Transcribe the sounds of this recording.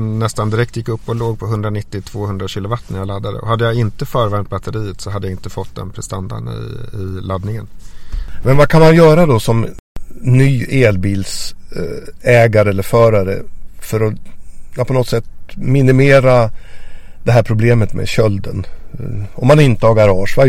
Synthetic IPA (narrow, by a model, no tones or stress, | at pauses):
nɛst̪and̪ɪɾɛk̚t̪jɪkːɵpːɔloːɡ̚pʰɔɦɵnd̪ɾanɪt̪ːɪt̪ʰv̥oːhɵnd̪ɾaɕiːlʊvat̪ːnæɾjalad̪ːad̪ə̰ɔ̰ɦad̪ːəjaɪnt̪əfœːɾvɛɾmt̪̚bat̪əɾiːət̪sɔɦad̪əjaɪnt̪əfɔt̪ːd̪ɛ̰npʰɾɛst̪and̪a̰ɳɪ̰ɪlad̪nɪŋən | mɛnvakʰanmanjœːɾad̪ɔsɔm | nːyːeːlbiːls | ɛːɡaɾəɛlːəɾfœːɾaɾə̰fœɾɔjpʰɔnɔt̪sɛt̪ːmɪnɪmeːɾa | d̪̥ɛɦæːɾpʰɾʊbleːmət̪mḛɕœld̪ə̰n | ɔmːanɪnt̪əhɑːɡaɾɑːʂva